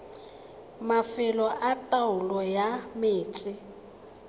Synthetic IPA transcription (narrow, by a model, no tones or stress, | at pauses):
mafɪlɔʔatʼaʊlɔjameːt͡sʼɪ